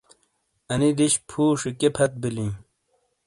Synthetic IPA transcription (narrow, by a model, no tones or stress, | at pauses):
ɐnid̪iɕpʰuːʂikepʰɐt̪̚bilĩː